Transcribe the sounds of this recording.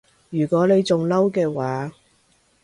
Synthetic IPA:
jyː˨˩kʷɔː˨˥ne˨˧jt͡sʊ˨ŋlɐ˥wkɛː˧waː˨˦

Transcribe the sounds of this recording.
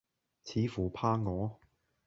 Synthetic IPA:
t͡sʰiː˨˧fuː˨˩pʰaː˧ŋɔː˨˧˥

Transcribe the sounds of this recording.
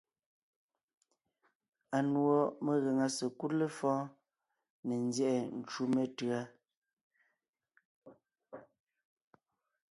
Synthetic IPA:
a˨nwɔ˦me˨ɣe˨ŋa˨sə˨ku˦tlə˦fɔ̃ː˦ | ne˨n˦zjɛ˦˨ʔɛ˨n̩˨t͡ʃu˦me˦tɰa˦

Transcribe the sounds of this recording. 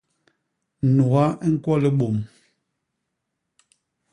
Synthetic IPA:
nu˨ɣa˦ʔɛ˦ŋ̩˦kwɔ˦lɛ˦ɓo˨m

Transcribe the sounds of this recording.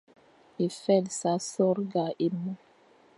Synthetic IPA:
i˨fɛ˦lsa˦sɔ˦ɾɡa˨ʔi˦mːɔ˦

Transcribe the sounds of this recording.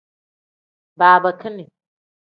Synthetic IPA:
baː˨bɐ˨kʰi˦ni˨

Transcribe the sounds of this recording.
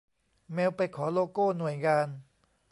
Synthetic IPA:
mɛː˧wpa˧jkʰɔː˩˦loː˧koː˥˩nu˨˩əjŋaː˧n

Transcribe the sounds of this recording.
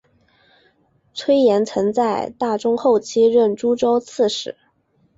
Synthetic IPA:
t͡sʰwe˥ɪjɛ˧˥nt͡sʰɤ˧˥ŋt͡sa˥˧ɪt̪a˥˩ʈ͡ʂʊ˥ŋxo˥˩ʊt͡ɕʰi˥ɻə˥˩nʈ͡ʂu˥ʈ͡ʂo˥ʊt͡sʰɹ̩˥˩ʂɻ̩˧˩˦

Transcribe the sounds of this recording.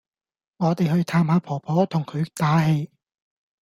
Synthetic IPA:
ŋɔː˨˧t̪e˨jhɵ˧ɥt̪ʰaː˧mhaː˨˥pʰɔː˨˩pʰɔː˨˥t̪ʰʊ˨˩ŋkʰɵ˨˧ɥt̪aː˨˥he˧j

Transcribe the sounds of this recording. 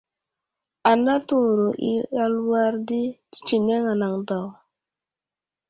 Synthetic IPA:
a˨na˦tu˨ɾo˨ʔḭ˦a˦lwa˦ɾdi˦ti̥˦t͡ʃi˨ne˦ŋa˨na˨ŋda˨w

